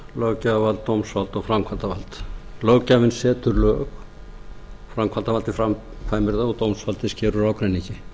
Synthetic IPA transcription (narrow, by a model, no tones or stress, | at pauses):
lœwcavalt̪ːowmsvalt̪ɔɣfɾamkʰant̪avalt̪lœːwcavɪnsɛːt̪ʏɾlœːx | fɾamkʰvant̪avalt̪ɪfɾam | faːjmɪɾðaɔt̪owmsvalt̪ɪscɛːɾʏɾaːwkɾejnːiɲcɪ